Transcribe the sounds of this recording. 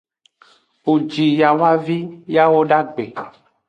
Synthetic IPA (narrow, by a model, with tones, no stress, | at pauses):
wo˨d͡ʒi˨ja˨wa˦vi˦ja˦wo˦ɖa˦ɡ͡be˨